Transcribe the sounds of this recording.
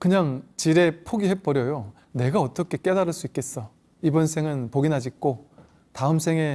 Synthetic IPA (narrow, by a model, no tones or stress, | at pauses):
kɯɲaŋt͡ɕiɾe̞pʰoɡiɦep͈ʌɾjʌjo | ne̞ɡaʌt͈ʌkʰe̞k͈e̞daɾɯɭs͈uik͈̚e̞s͈ʌ | ibʌnsʰe̞ŋɯnpoɡinɦad͡ʑik̚k͈o | taɯmsʰe̞ŋe̞